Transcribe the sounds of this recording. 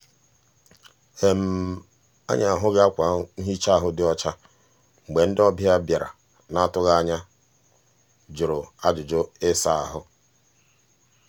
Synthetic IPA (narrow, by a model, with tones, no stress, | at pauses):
e˨m̩˨ | a̰˦ɲa˨a˨ɦʊ˦ɣa˦kʷa˨˦n̩˦ɦi˦t͡ʃa˦a˨ɦʊ˦dɪ˦ɔ˦t͡ʃa˦ | ŋ͡m̩˨ɡ͡be˨n̩˦dɪ˦ɔ˦bja˦bja˨ɾa̰˨ | na˦˨tʊ˦ɣa˦ɲa˦ | d͡ʒʊ˨ɾo˨a˦d͡ʒʊ˨d͡ʒʊ˦ɪ˦sa˦a˨ɦʊ˦